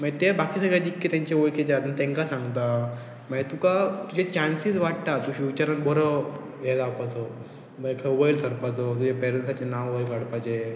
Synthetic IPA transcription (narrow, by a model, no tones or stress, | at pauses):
məɡet̪eɾbakʰiːsəɡɭjad͡ʑikːet̪ãɲt͡ɕeoɭkʰed͡ʑat̪ət̪ẽŋkasãŋɡt̪a | mad͡ʑet̪ukat̪ud͡ʑet͡ɕansisʋaʈ̚t̪at̪uɕiʋit͡ɕaɾanbʱɔɾə | jet̪apət͡so | məkʰəʋəilsəɾpat͡sot̪ud͡ʑepeɾənsat͡ɕenaʋʋəilkaɽpat͡ɕe